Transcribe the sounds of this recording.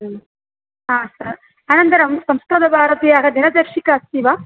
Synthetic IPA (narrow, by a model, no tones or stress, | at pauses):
ɦãːsɐɾ | aːnɐnt̪ɐɾɐmsɐmsk̪ɾɐd̪ɐbʱaːɾɐt̪ejaːɡɐd̪inɐd̪ɐɾʂikaːst̪iʋaː